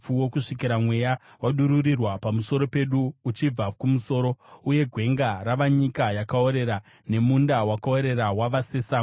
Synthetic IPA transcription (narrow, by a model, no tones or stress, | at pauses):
uwokuʂikiɾamwe̞ja | waɗuɾurirwapamuso̞ɾo̞pe̞ɗuːt͡ʃib͡vakumuso̞ːɾo̞uje̞ɡʱwe̞ŋɡaraʋaɲikajakao̞ɾe̞ɾa | ne̞mundawakao̞ɾe̞ɾawaʋase̞saː